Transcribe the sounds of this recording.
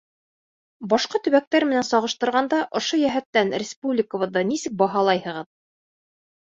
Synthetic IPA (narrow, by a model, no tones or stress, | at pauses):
bɑʃqɑt̪ɵ̆βæk̚t̪æɾmɘ̆nænsɑʁɤ̆ʃt̪ɤ̆ɾʁɑnd̪ɑʔŏʃojæɦæt̪ːænɾʲɪspublʲɪkə̆βɤ̆ðːɑnisɘk̚bɑɦɑlˠɑjhɤ̆ʁɤð